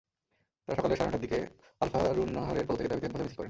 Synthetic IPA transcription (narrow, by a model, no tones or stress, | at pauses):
t̪aɾʃɔkaleɾʃɔɾaʈaɾd̪ike | alfaɾunːaɦaɾeɾpot̪ːeked̪abit̪enpt̪ʰmisilkɔɾen